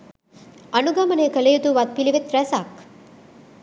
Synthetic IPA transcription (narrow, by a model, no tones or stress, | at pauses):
ɐnuɡɐmɐnekɐlejud̪uʋɐt̪̚piliʋet̪ɾɐsaːk